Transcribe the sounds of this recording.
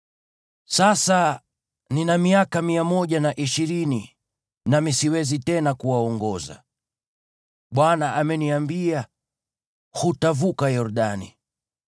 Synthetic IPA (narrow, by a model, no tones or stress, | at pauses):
sasa | ninamiakamiamɔʄanaʔiʃiɾini | namisiwɛzitɛnakuwaɔŋɡɔza̰ | ɓwanaʔamɛniambia | hutavukajɔɾɗanḭ